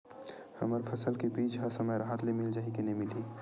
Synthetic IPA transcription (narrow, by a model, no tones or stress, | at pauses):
həməɾpʰəsəlkebiːd͡ʒɦəsəməjɾaɦət̪lemɪld͡ʒaɦikenemɪli